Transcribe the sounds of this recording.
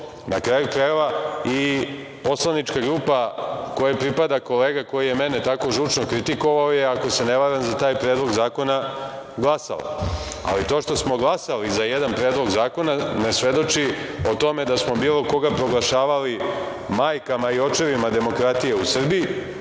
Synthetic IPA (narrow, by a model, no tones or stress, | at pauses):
nakɾaːjukɾajeʋai | po̞slˠanit͡ʃkaɡɾuːpako̞japɾipad̪ako̞leːɡako̞jije̞menet̪ako̞ʒut͡ʃno̞kɾit̪iko̞ʋaojeako̞se̞neʋaɾanmzat̪aːjpɾeːd̪lˠo̞ɡzaːko̞na | ɡlˠasa̰la̰ | a̰lit̪o̞ːʃt̪o̞smo̞ɡlˠasalizajed̪anpɾeːd̪lˠo̞ɡzaːko̞nanesʋe̞d̪o̞t͡ʃio̞t̪o̞me̞d̪asmobiːlˠo̞ko̞ɡapɾo̞ɡlˠaʃaːʋali | maːjkamaio̞t͡ʃe̞ʋimad̪e̞mo̞kɾat̪ije̞usr̩bii